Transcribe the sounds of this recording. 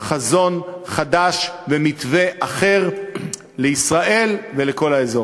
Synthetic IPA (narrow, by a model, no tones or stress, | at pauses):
χazo̞nχadaʃvemitve̞ʔaχe̞ʁ | leisʁaʔe̞lveleko̞laezo̞